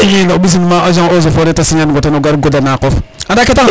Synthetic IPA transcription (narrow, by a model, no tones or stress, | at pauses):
ijinabis̬inmaaʒãozofoɾetasiɲanɡotenoɡaɾɡodanakofadaketa